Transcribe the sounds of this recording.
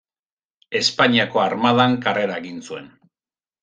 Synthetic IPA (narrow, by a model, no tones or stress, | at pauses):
e̞spaɲiako̞aɾmaðaŋkare̞ɾaeɣinsue̞n